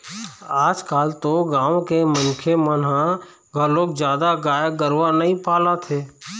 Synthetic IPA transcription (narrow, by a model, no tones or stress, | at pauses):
aːd͡ʒkaːlt̪oɡãːwkemənkʰemənɦã | ɡʱəɾloːk̚d͡ʒjaːd̪aɡaːjəɡəɾʋanəɦĩpaːlat̪ʰeː